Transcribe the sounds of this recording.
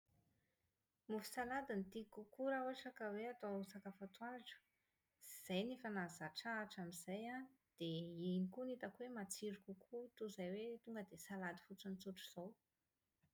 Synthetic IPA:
mufi̥salad̪int̪ikukuɾauaʈ͡ʂakaweat̪ousakafat̪waɾaʈ͡ʂə̥ | iz̥ajnifanazaʈ͡ʂaːʈ͡ʂamizaja | d̪̥einikunit̪akwemat͡siɾukʲukʰut̪uzajwet̪uŋɡəd̪esalad̪i̥fut͡sunit͡suʈ͡ʂu̥z̥ow

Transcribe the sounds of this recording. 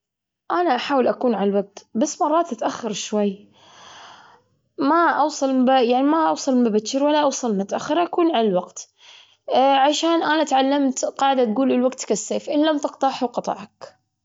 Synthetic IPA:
ʔanaʔaħaːwɪlʔakuːnʕalalwaɡ̚t̪basːmɑrˤːɑːt̪ʔat̪ʔaxːɑɾʃwajː | maʔɑwsˤɑlbajaʕnimaʔɑwsˤɑlbabat͡ʃːɪɾwalːaʔɑwsˤɑlmnat̪ʔaxːɪɾʔakuːnʕalalwaɡt̪ | ʕaʃaːnʔanat̪ʕalːamt̪qɑːʕɪd̪at̪̚ɡuːlɪlwaɡt̪kasːeːfʔɪlːamt̪ɪqt̪ˤɑħawqɑt̪ˤɑ̰ʕɑk

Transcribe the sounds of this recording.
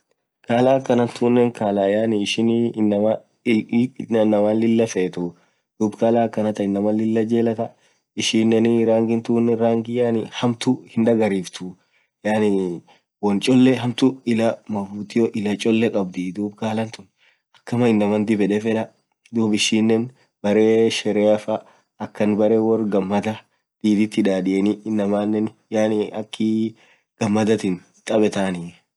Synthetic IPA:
kaːlaːkːɐnɐnt̪uːnːɛŋkaːlaːjaːnɪɪʃɪnnːɐmɐ | ɪɐnːɐmaːnlɪlːɐfeːt̪u | d̪̥uːbkaːlaːkːɐnɐt̪ɐɪnːɐmɐlːɪlːɐd͡ʒeːlɐt̪ɐ | ɪʃiːnːɛnɾaːŋɡɪnt̪uːnːɛɾaːŋɡɪjaːnɪhɐmt̪ʊhɪnᶑɐɡɐɾiːft̪ʰʊ | jaːnɪ | wɔnt͡ʃʼɔlːɛɦɐmt̪ʊɪlɐmɐfuːt̪ɪjɔʔɪlɐt͡ʃʼɔlːɛkʼɐbd̪id̪uːbkaːlɐnt̪ʊn | ɐkːɐmɐɪnːɐmɐnd̪ɪbɛᶑɛfɛᶑɐ | d̪uːbɪʃːiːnːɛn | bɐɾeːʃɛɾɛɐfɐː | kːɐnbɐɾeːwɔrɡɐmːɐd̪ɐ | d̪̥iːd̪ɪt̪ːɪᶑaːᶑɪʔɛnɪːnːɐmaːnːɛn | jaːnɪɐkːɪ | ɡ̥ɐmːɐd̪ɐt̪ɪn | t̪ʼɐbɛt̪aːnɪ

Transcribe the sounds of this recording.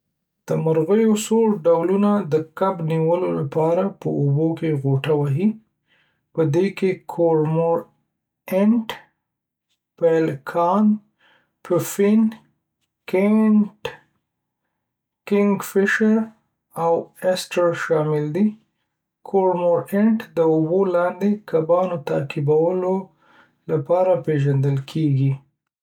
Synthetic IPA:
d̪̥əmaɾɣəjosoɾɖawlunad̪əkabniwəlolapɑɾapəubokeɣoʈawaɦi | pəd̪ekekʰoɾmoɾ | ɪɳʈ | palkʰɑn | pʰufin | keɳʈ | kɪŋɡfɪʃəɾ | awɛsʈəɾʃɑmɪld̪i | kʰoɾmoɾɪɳʈd̪əʊbolɑnd̪ekabɑnot̪akɪbawəlo | lapɑɾapeʒand̪əlkʰeɡi

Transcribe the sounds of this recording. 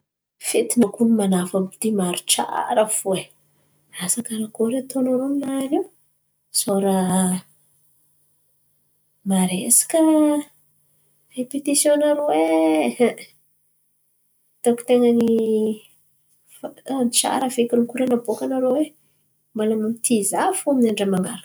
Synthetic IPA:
fet̪inakunimanafamit̪imaɾiʈ͡ʂa̰ɾəv̥ue | asakaɾakoɾet̪onaɾominaniw | soɾa | maɾesi̥kʲə | repit̪isjonaɾowe | t̪oki̥t̪eŋani | fanit͡ʃa̰ɾəvekʲinikuɾanabokanaɾowe | malamamit̪ʰizafuaminaɳɖ͡ʐəmaŋaɾak

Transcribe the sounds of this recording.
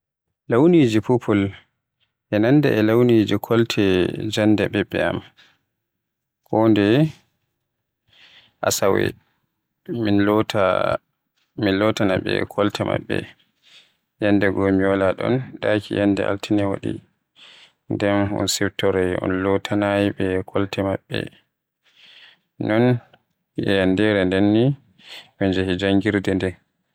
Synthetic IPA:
lawnid͡ʒipupʰɔl | ʔɛnandɛ̰ʔɛlawnid͡ʒikʰɔltʰɛd͡ʒandɛbɛbːɛa̰m | kɔndɛ | ʔasawɛ̰ | minlɔta | minlɔtanaɓɛ̰kʰɔltʰɛma̰ɓːɛ̰ | jɛnːdɛɡomiwalaɗɔ̰nɗakijɛndɛ̰ʔa̰ltʰinɛwa̰ɗḭ | ndɛnɔ̰nsiwtɔɾɛɔ̰nlɔtʰanajiɓɛkʰɔltɛmaɓːɛ̰ | nɔn | jɛjandɛɾɛndɛnːi | wɛnd͡ʒahid͡ʒaŋɡiɾdɛndɛn

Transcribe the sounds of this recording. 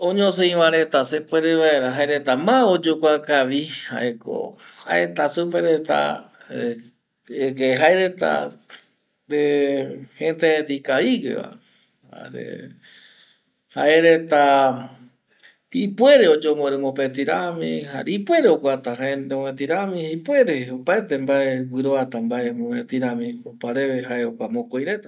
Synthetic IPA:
õɲõs̬ẽj̃ʋaɾe̞t̪asepweɾeʋaeɾaɦaeɾet̪amãod͡ʒokʷakaʋiha̰ʔeko̰haet̪asupeɾet̪a̰ | ekeɦaeɾet̪a̰ | ɾehẽnt̪ed̪ikaiɡḛβa̰ | a̰ɾḛ | ha̰ʔeɾe̞t̪a | ipwe̞ɾeod͡ʒomoɾemõpet̪iɾamḭ̃haipwe̞ɾeokʷat̪aɦaeɾemẽt̪iɾamĩipwe̞ɾeopaet̪e̞mbaewɨɾoat̪ambaʔemõmẽt̪iɾãmĩopaɾe̞βeɦaeokʷamõkojɾe̞t̪a

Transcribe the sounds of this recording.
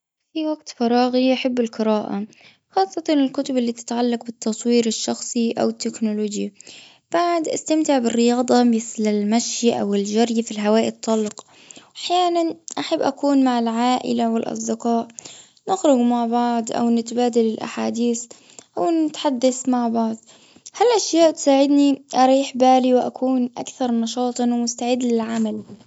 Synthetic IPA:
fiwaɡt̪fɑɾˤɑːɣiʔaħabːɪlqɨɾaːʔa | xɑːsˤːɑt̪ɑnɪlkʊt̪ʊbɪlːiːt̪ɪ̥t̪ʕalːɑqbɪt̪ːɑsˤwiːɾɪʃːɑxsˤiʔa̰wɪt̪ːɪknʊloːd͡ʒji | b̥aʕd̪ʔa̰st̪amt̪ɪʕbɪrːɪjɑːd̪ˤɑmɪθlalmaʃjʔawɪld͡ʒaɾjfilɦawaːʔit̪ˤʰːɑlːq | ʔaħjaːnanʔaħabːʔakuːnmaʕɪlʕaːʔɪ̰lawɪlʔɑ̰sˤd̪ɪqɑːʔ | nɪxɾʊɡmaʕbɑʕd̪ˤʔa̰wnɪt̪baːd̪alɪlʔa̰ħaːd̪iːθ | ʔawnɪt̪ħad̪ːaθmaʕbɑʕd̪ˤ | halʔaʃjaːʔt̪saːʕɪd̪niʔɑɾˤiːħbaːliwɪʔa̰kʰuːnʔakθɑɾˤnɑʃɑːt̪ˤɨnwmʊst̪aʕɪd̪lɪlʕamal

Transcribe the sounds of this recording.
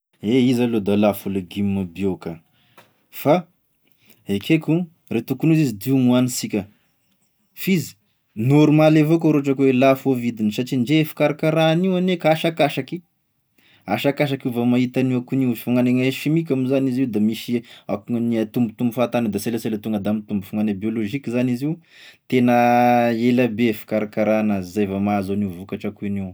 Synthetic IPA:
eizalod̪alafulaɡimabioka | fa | ekʰeku | ret̪ukunizizid̪iumuanisikʲə | fizi̥ | noɾumalevok̬oɾoʈ͡ʂakwelafovid̪inisaʈ͡ʂiɳd͡ʒeefḁkaɾakaɾaniwanekaʃakaʃaki | aʃakaʃ̬akuvamaɦit̪aniwakuniwfuŋaneŋaʃimik̬ʲamizaniziwd̪amisiakuŋəniat̪umbut̪umbufat̪anəd̪aselaselat̪uŋɡəd̪amit̪umbufuŋanabioloʒikizaniziw | t̪enəelabefi̥kaɾakaɾanəzajvamazoniuvukaʈ͡ʂakuiniw

